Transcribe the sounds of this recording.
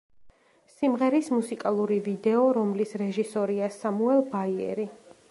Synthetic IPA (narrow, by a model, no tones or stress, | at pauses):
simʁɛɾismusikʼalˠuɾivid̪ɛɔɾɔmlisɾɛʒisɔɾiasamuɛlˠbaiɛ̰ɾi